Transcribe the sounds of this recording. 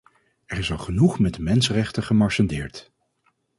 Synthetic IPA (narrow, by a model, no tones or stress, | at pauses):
ɛrɪsɑlˠχənuχmɛdəmɛnsərɛχtəχəmɑɹsɑndɪːɹt